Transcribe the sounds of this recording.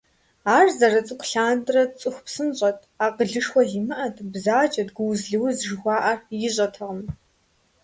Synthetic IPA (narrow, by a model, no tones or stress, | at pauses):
aːrzɐɾɐt͡sʼɨkʷɬaːndrɐt͡sʼɨxʷpsɨnɕʼɐtʰʼaːqəɮɨʂxʷɔɮimɨʔɐtʰbzaːt͡ʃʼɐdɡʷʊwzɮɨwzʒɨxʷɑːʔɐrjɪɕʼɐtʰɐʁəm